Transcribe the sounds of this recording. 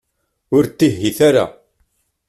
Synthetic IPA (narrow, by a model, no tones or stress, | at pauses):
ʊɾt̪ːiɦːiθaɾa̰